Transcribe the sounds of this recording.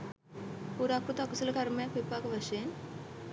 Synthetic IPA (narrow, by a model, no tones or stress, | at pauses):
puɾakːut̪akusulɐkɐɾmjakʋipakʋɐʃen